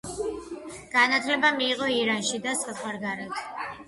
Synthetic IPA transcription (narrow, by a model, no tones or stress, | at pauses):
ɡ̥anat̪ʰlɛbamiːqɔiɾanʃid̪asχawaɾɡaɾɛt̪ʰ